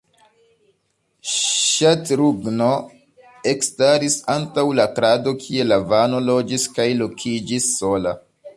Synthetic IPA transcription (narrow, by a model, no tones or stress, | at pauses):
ʃatɾuɡno̞ | e̞kstaɾisantawlakɾado̞kʰie̞lavano̞lo̞d͡ʒiskajlo̞kʰid͡ʒisːo̞la